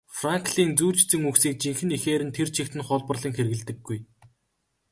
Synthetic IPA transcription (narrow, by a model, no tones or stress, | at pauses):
fraŋkɮiːnt͡suːɮt͡ɕt͡sɘ̆ŋuksiːk̚t͡ɕiŋxɘ̆nixeːɾɘ̆nt̪ʰert͡ɕʰĭxt̪ɘ̆nχɔɮpə̆rɮə̆ŋxeɾɘɣɘ̆ɮt̪ɘ̆ɡːuj